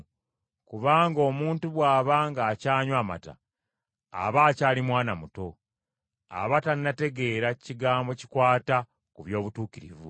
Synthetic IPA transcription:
kuβaːŋɡo̞ːmuːntuβwaːβaŋɡaːcaːɲwaːma̰ta̰ː | βaːcaːlimwaːnamuto̞ | a̰βataninate̞ɡe̞ːɾaciɡaːmbo̞ci̥kwaːta | kuβjo̞ːβutuːkiɾivṵ

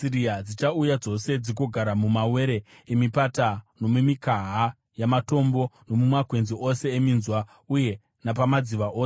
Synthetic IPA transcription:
iɾiad͡zit͡ʃaujad͡zo̞se̞d͡zikoɡʱaɾamumawe̞ːɾe̞ | emipatano̞mumikaɦa | jamato̞mbo̞no̞mumakwe̞nziʔo̞se̞ːminzwa | uje̞ | napamad͡ziʋaʔoːse

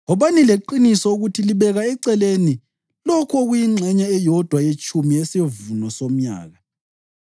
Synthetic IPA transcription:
ɔβanileǃinisɔuɣutʰiliβɛɣaɛǀɛleni | lɔkʰɔɣujiŋ͡ǀʱɛɲaɛjɔd̥ʱwajet͡ʃʼumiɛsevunɔsom̩ɲa̰ːɣa

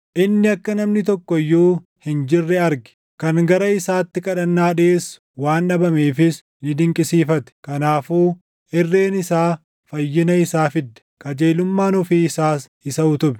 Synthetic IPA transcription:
ʔɪnːɪɐkːɐnɐmnɪt̪ɔkːɔjːuː | hɪnd͡ʒɪrːɛɐɾɡɛ̥ | kɐŋɡɐɾɐɪsaːt̪ːɪkʼɐᶑɐnːaːᶑeːs | waːnɐbɐmeːfɪs | nɪd̪ɪŋkʼɪsiːfɐt̪ɛ̥kɐnaːfuː | ɪrːeːnɪsaː | fɐjːɪnɐɪsaːfɪd̪ːɛ̥kɐd͡ʒeːlʊmːaːnʊfiːɪsaːs | ɪsɐʊt̪ʊbɛ̥

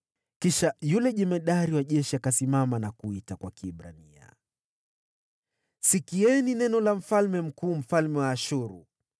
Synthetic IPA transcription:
kiʃajulɛʄɛmɛɗaɾiwaʄɛʃiakasimamanakuitakwakiːɓɾa̰nia̰ | sikiɛninɛnɔlam̩falmɛm̩kuːm̩falmɛwaːʃuɾṵ

